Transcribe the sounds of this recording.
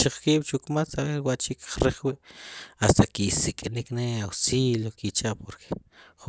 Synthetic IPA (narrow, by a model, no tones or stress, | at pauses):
t͡ʃiχkiːɓ̥t͡ʃukmat͡saɾewaʔt͡ʃikχɾeχwiʔast̪akisikʼnikneawsiljokit͡ʃaʔpoɾkʰe̥χ